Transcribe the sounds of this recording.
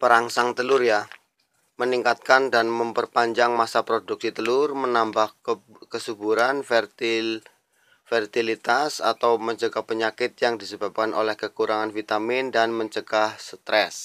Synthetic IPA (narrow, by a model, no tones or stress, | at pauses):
pəɾaŋsaŋt̪əlʊrja | məniŋkat̪̚kandanməmpərpaɲd͡ʒaŋmasapɾoduk̚sit̪əlʊrmənambah | kəsubuɾanfr | fərt̪ilit̪asa̰t̪awməɲt͡ʃəɡahpəɲakɪt̪̚jaŋdisəbap̚kanʔo̰lɛhkəkuɾʔaŋanfit̪amɪndanməɲt͡ʃəɡahsət̪ɾɛs